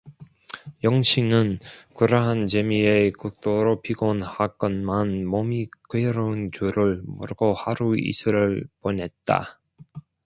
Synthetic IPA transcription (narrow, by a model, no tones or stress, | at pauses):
jʌŋɕʰinɯnkuɾaɦant͡ɕemiekuk̚t͈oɾopiɡonhak͈ʌnmanmomikeɾʌunt͡ɕuɾɯɭmṵɾɯɡohaɾuḭsʰɯɾɯɭponɦe̞t̚t͈a̰